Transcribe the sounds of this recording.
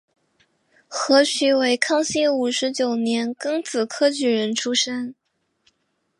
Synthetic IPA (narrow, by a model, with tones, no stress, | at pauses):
xɤ˧˥ɕʰy˧˥we˧˥ɪkʰɑ˥ŋɕi˥u˨˩ʂɻ̩˧˥t͡ɕjo˨˩ʊnjɛ˧˥nkɤ˥ŋt͡sʰɹ̩˨˩kʰɤ˥t͡ɕy˨˥ɻə˧˥nʈ͡ʂʰu˥ʂə˥n